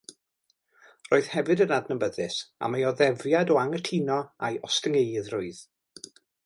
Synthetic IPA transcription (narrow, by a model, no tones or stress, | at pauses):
roːɨð̥hɛvɨdənadnəmbəðɨsa̰majɔðɛvjadɔaŋətʰinɔajʔɔstəŋejðrʊɨð̥